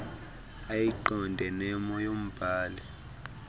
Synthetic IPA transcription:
ajiǃɔndʱɛnɛmɔjom̩b̥ʱaːlɛ

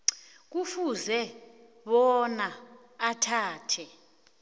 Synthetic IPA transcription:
k̬ufuzɛ | ɓɔnaː | tʰaːtʰɛ

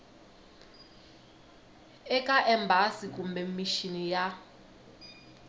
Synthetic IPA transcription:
ɛkʼaʔɛmbʱasikʼumbɛmiʃinija

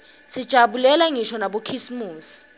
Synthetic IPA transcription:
sid̥ʒ̥ʱaɓulɛlaŋiʃɔnaɓokʰisimuːsi̥

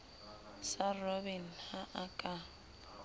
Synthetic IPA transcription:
sarɔbin̩haʔakʼa

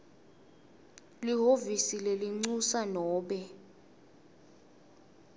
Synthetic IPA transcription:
liɦovisileliŋ͡ǀusanɔːɓɛ

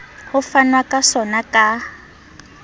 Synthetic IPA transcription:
hʊfanwakʼasɔnakʼa

